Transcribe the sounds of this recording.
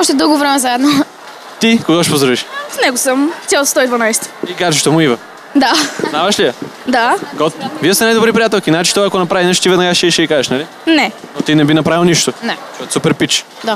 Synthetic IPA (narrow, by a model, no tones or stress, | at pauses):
ɔʃt̪ɛd̪ɤlˠɡovɾɛmɛzaɛd̪no | t̪ikoɡɔʃi̥pozɾoviʃfnɛɡosəmʲalˠst̪ɔid̪vɐnajst̪ə̥iɡaɾt͡ʃiʃt̪omʊivɐ | d̪anavɐʃliɐ | d̪aɡɔt̪viɛst̪ɛnajd̪obɾipɾijat̪ɛlˠkinat͡ʃi̥t̪ɔakonɐpɾavinɛʃt̪ivɛd̪nɐɡaʃɛʃɛikaʒɛʃnali | nɛnot̪inɛbinɐpɾavilˠniʃt̪onɛʃɔt̪supɛɾpit͡ʃ | d̪a